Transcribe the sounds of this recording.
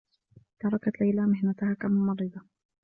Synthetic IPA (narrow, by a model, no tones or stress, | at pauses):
t̪ɑɾˤɑkat̪lajlamɪhnat̪ʊhaːkamamɑɾɪd̪ˤɑ